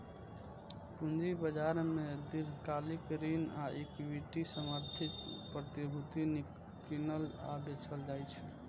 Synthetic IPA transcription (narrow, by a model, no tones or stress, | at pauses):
pund͡ʒibəd͡ʒaɾmed̪iɾkalikɾinaʔekʋiʈisəməɾd̪ʱit̪pɾət̪ibʱut̪ini | kinəla̰bet͡ʃʰəld͡ʒajt͡ʃʰɛ